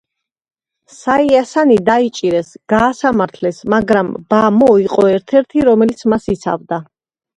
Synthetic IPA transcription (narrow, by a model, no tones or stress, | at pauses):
saiasanid̪ait͡ʃʼiɾɛsɡ̥aːsamaɾt̪ʰlɛsmaɡɾamb̥amɔiqʼɔɛɾt̪ʰɛɾt̪ʰiɾɔmɛlit̪sʰmasit̪sʰa̰vd̪a